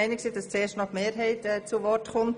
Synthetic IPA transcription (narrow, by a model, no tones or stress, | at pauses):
ɪnɪksiːdɑst͡seːʃtnɔtmeːɾɦɛɪtɛt͡suʋɔɾtχʊmt